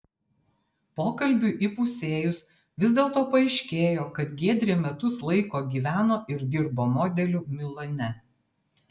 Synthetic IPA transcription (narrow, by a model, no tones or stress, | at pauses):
poːkɐlʲbʲʊʔipʊsʲeːjʊs | ʋʲɪzd̪ʲeːlˠt̪oːpɐɐɪʃʲkʲeːjoːkɐt̪ɡʲeːd̪ʲɾʲemʲɛt̪ʊslˠɐɪkoːɡʲiːʋʲæːnoːʔɪɾd̪ʲɪɾboːmɔːd̪ʲɛlʲuːmʲɪlˠɐnʲɛ